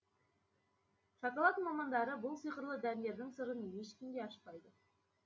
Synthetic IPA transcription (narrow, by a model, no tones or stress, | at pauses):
ʃɑkɑlˠɑt̪əmɑmɑnd̪ɑɾəbʊlˠsijqəɾlˠəd̪æɾɪe̞ɾd̪ɪŋsəɾəneʃkʲɪnd̪e̞ɑʃqɑjd̪ə